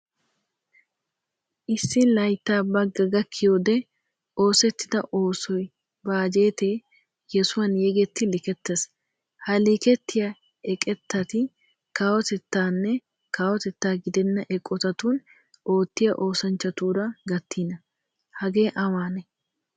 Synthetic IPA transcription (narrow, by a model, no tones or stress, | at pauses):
ʔɪsːɪlɐjt̪ːaːbɐɡːɐɡɐkʰːɪjoːd̪ɛ | o̞ːsɛt̪ːɪd̪ɐʔo̞ːsɔj | baːd͡ʒe̞ːt̪eː | jɛsʊwɐnjɛɡɛt̪ːɪlɪkɛt̪ːes | hɐlɪkɛt̪ːɪjɐ | ɛkʼɛt̪ːɐt̪ɪ | kaːwɔt̪ɛt̪ːaːnːɛ | kaːwɔt̪ɛt̪ːaːɡɪd̪ɛnːɐʔɛkʼːɔt̪ɐt̪uːn | ʔo̞ːt̪ːɪjɐʔo̞ːsɐnt͡ʃːɐt̪uːɾɐɡɐt̪ʰːiːnɐ | hɐɡe̞ːʔɐwaːnɛ